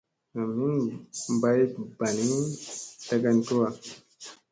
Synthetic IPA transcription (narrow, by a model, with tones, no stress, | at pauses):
na˨mi˦ba˦jba˨ni˦ta˦ɡa˧ntu˦wa˨